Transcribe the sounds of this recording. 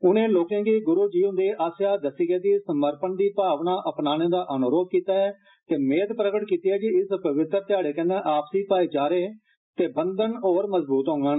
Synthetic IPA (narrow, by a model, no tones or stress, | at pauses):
ʊnẽːloːkẽːɡiːɡʊɾuːd͡ʒiːɦʊ̃nd̪eːʔaːsjaːd̪əsiɡɛːd̪iːsəməɾpənd̪iːpaːʋnaːʔəpnaːnẽːd̪aːʔənʊɾoːb̚kiːt̪aːɛː | t̪eːmeːd̪pɾəkəʈkiːt̪iːɛːd͡ʒiɪspəʋɪt̪əɾt̪ɪjaːɽeːkɛnẽːʔaːpsiːpaːiːd͡ʒaːɾeː | t̪eːbənd̪ənoːɾməzbuːt̪ɦõːŋɡən